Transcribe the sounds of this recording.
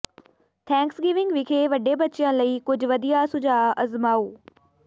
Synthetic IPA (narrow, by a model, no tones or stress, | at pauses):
t̪ʰɛ̃ːŋksɡɪʋɪ̃ŋɡʋɪkʰeʋɐɖebɐtːʃɪjə̃ləiːkʊd͡ʑʱʋɐd̪ijasʊd͡ʒʱaːɐzmaːoː